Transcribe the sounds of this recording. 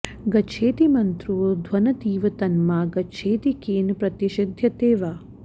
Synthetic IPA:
ɡɐt͡ʃʰeːt̪imɐnt̪ɾuːd̪ʱʋɐnɐt̪iːʋɐt̪ɐnmaːɡɐt͡ʃʰeːt̪ikeːnpɾɐt̪iʃɐd̪ʱjɐt̪eːʋaː

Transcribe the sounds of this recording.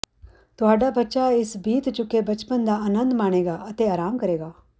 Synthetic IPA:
t̪ʊɦaːɖabɐtːʃaɪsbiːt̪t͡ʃʊkːebɐt͡ʃpənd̪aaːnə̃nd̪maːɽ̃eːɡaːɐt̪eaːɾaːmkɐɾeːɡaː

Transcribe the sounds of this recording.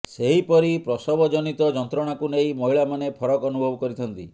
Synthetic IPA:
seɦipɔɾipɾɔsɔbɔd͡ʒɔnit̪ɔd͡ʒɔnt̪ɾɔɽ̃akuneimɔɦiɭamanepʰɔɾɔkɔnubʱɔbɔkɔɾit̪ʰɔnt̪i

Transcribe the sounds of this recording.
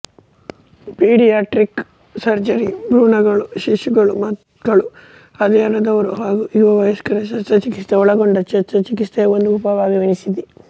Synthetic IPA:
piːɖijaːʈɾik | sɐɾd͡ʒɐɾibɾuːɳɐɡɐɭuʃiʃuɡɐɭumɐt̪ | ɡɐɭu | ɐd̪ɛɐnɐd̪ɐʋɐɾuɦaːɡuʔiʋɐʋɐjɐskɐɾɐsɐt͡ʃɐt͡ʃikist̪eɔɭɐɡoɳɖɐt͡ʃɐt͡ʃːɐt͡ʃikist̪eːond̪uːpaːbaːʋiʋɐnisid̪i

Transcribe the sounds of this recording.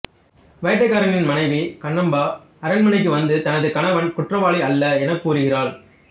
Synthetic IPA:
ʋɐjɐʈ̬ːɐɪkːaːɾɐnɪnmɐnɐɪʋikɐɳːɐmbaː | ɐɾɐnmɐnɐɪk̬ːɯʋɐnd̪ɯt̪ɐnɐðɯkɐnɐʋɐnkʊʈrɐʋaːɭiɐlːɐɛnɐkːuːɾɯɣɪraːɭ

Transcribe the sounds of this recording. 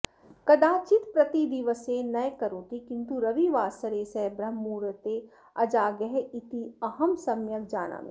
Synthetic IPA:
kɐd̪aːt͡ʃɪt̪pɾɐt̪id̪iʋəsenɐjkɐɾõːt̪ikɪ̃nt̪uɾɐʋiʋaːsəɾeːsɛbɾɐɦmːuːɾət̪e | ɐd͡ʒaːɡəɦeɪt̪iɐɦəmsɐmjəkd͡ʒaːna̰ːmḛ̃

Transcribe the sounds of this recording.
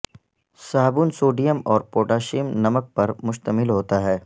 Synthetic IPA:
saːɦbuːnsoːɖijəmɔːɾpoːʈaːʃiːmnɐmək̚pɐɾmʊʃt̪əmɪlɦoːt̪aɦɛː

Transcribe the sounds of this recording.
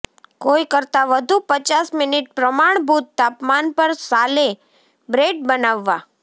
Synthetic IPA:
koikəɾt̪aʋəd̪ʱupət͡ʃasmɪniʈ̚pɾəmaɳ̃bʱut̪ːapmanpəɾsale | bɾeʈ̚bənaʋːa

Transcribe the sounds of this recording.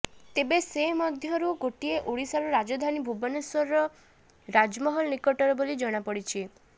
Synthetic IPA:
t̪ebesemɔd̪ʱjɔɾuɡoʈieʔoɽisaɾuɾad͡ʒɔd̪ʱanibʱubɔnesɔɾɔ | ɾad͡ʒmɔɦɔlnikɔʈɔɾɔbolid͡ʒɔɽ̃apɔɽit͡ʃʰi

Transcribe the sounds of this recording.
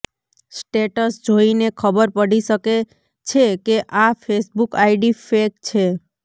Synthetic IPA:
sʈeʈəsd͡ʒoinekʰəbəɾpəɽisəke | t͡ʃʰekeʔafʰesbukaiɖifek̚t͡ʃʰe

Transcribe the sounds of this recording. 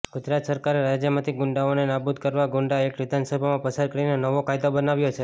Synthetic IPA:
ɡ̥ʊd͡ʒɾat̪səɾkaɾeɾad͡ʒjəmãt̪ʰiɡʊɳɖaonenabud̪̚kəɾʋaɡʊɳɖaekʋɪd̪ʱansəbʱamãpəsaɾ̚kəɾinenəʋokajd̪obənaʋjot͡ʃʰe

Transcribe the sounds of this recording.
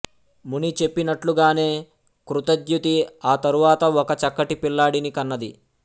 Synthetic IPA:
munit͡ʃe̞pːinɐʈluɡaːne̞ː | kɾut̪ɐd̪jut̪iaːt̪ɐɾuʋaːt̪ɐɔkɐt͡ʃɐkːɐʈipilːaːɽinikɐnːɐd̪ḭ

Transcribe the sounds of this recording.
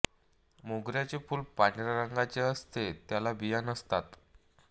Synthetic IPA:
moɡɾjat͡sefuːlpaɳɾaɾəŋɡat͡seəst̪et̪jalabijanəst̪at̪

